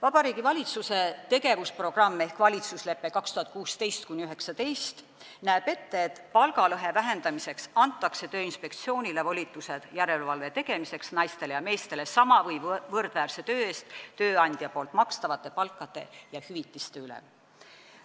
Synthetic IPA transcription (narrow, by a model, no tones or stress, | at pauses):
vɑbɑɾiːɡ̥ivɑlʲit̪suse̞t̪e̞ɡe̞vuspro̞ɡ̥rɑmːe̞hkvɑlʲit̪susle̞pːe̞kɑkst̪uhɑt̪̚kuːst̪e̞jst̪̚kunʲiyɦe̞ksɑt̪e̞jst̪ | næːb̥e̞t̪ːe̞ːt̪ːpɑlɡɑlɤɦe̞væɦe̞nd̪ɑmise̞ksɑnt̪ːˑɑkse̞t̪ø̞ːinspe̞k̚t̪sio̞ːnʲile̞vo̞lʲit̪ːˑuse̞d̪̥jæɾe̞lvɑlve̞t̪e̞ɡe̞mise̞ksnɑjst̪e̞lejɑme̞ːst̪e̞le̞sɑmɑvɤjvɤɾd̪væːrse̞t̪ø̞ːeːst̪t̪ːø̞ːɑnʲd̪̥jɑpo̞ːlt̪ˑmɑkst̪ɑvɑt̪ːˑe̞pɑlkːˑɑt̪ˑe̞̰jɑhyvit̪ːˑist̪eylḛ